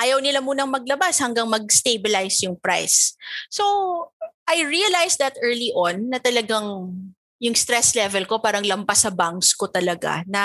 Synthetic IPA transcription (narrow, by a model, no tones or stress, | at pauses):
ʔaːjɐwnɪlamuːnɐŋmɐɡ̚lɐbashɐŋɡaŋmɐɡ̚st̪ejbɪlajsjʊŋpɾa̰jsːo | ʔajɹiɐlajsd̪ɐt̪ʔɛɹliʔonːɐt̪ɐlɐɡaŋ | jʊŋst̪ɾɛslɛvɛlko̞paːɾɐŋlɐmpasɐbaŋkskot̪ɐlɐɡa̰nɐ